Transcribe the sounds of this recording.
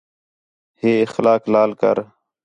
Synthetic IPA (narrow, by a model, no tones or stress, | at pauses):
heːɪxlaːklaːlkə̰ɾ